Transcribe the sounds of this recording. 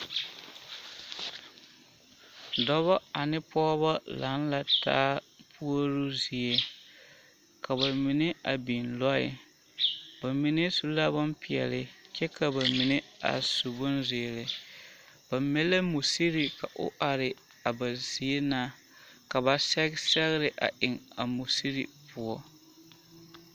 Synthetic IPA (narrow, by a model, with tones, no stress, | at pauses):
dɔ˦βɔ˦a˨nɪ˦pɔː˦ba˦la˨˦n˦la˨ta̰ː˦pʰu˦o˦ɾu˦zi˨e˦ | ka˨ba˨mi˨nɪ˦ʔa˨bi˨nlɔ˦ɪ̰˨ | ba˨mi˨nɪ˦su˦la˦bʊ˦mpɪ˨ɛ̰˨lɪ˨t͡ʃɛ˦ka˨ba˨mi˨nɪ˦a̰˨su˨bʊ˦nzeː˨lɪ˨ | b̥a˨mɛ˦la˦mu˨si˦ɾi˨ka˨ʔo̰˦ʔa˨ɾɪ˨ | a˨ba˨z̥i˨˦e˦na˦˨ | ka˨ba˨sɛ˦ɡsɛ˦ɣɪ˦ɾɪ˨ʔa̰˨ʔɪ˨ŋa˨mu˨si˦ɾi˨pu˦ɔ˦